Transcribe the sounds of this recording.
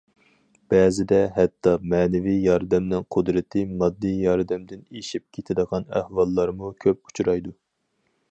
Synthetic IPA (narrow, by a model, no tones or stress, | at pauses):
b̥ɛːzɪd̪ɛɦɛt̪ʰːɑmɛːnɛvijjɑɾd̪ɛmnɪŋqʰʊd̪ɾɪt̪ʰɪmɑd̪ːijjɑɾd̪ɛmd̪ɪneʃip̚kʲʰet̪ʰɪd̪əʁɑnæ̰hwɑlˠːɑɾmukʲʰøp̚u̥t͡ʃʰuɾɑjd̪u